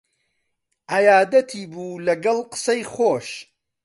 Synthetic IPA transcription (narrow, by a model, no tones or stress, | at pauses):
ʔɐjaːd̪ɐt̪ʰiːbuːlɐɡɐlˠqɨ̥sɐjxoːʃ